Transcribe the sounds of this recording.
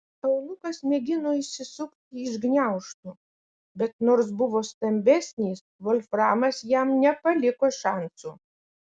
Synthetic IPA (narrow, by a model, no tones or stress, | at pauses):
ɐʊlˠʊkɐsmʲɛɡʲɪnoːɪʃʲsʲɪsʊkt̪ʲɪɪʒɡnʲæʊʃt̪uː | bʲɛt̪noːɾs̬bʊʋoːst̪ɐmʲbʲɛsʲnʲiːsʋɔlʲfɾɑːmɐsjɛmnʲɛpɐlʲɪkoːʃɑˑnsuː